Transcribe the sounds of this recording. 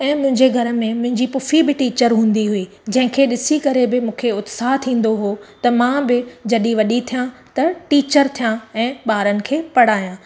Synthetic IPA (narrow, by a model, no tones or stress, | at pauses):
ɛ̃ːmʊ̃ɦɪ̃ɲd͡ʑeɡʱɐɾə̆mẽmʊ̃ɦɪ̃ɲd͡ʑiːpʊfibɪʈiːt͡ɕəɾɦũːn̆d̪iɦʊiː | d͡ʑɐ̃ɦɪ̃kʰeːɗɪsikɐɾebɪmũːkʰeʊt̪saːɦt̪ʰĩːn̆d̪oɦot̪ɐmãbɪd͡ʑɐɗiʋɐɗit̪ʰijãt̪ɐʈiːt͡ɕəɾt̪ʰijãɛ̃ːɓaːɾənɪ̆kʰeːpɐɽ̤aːjãː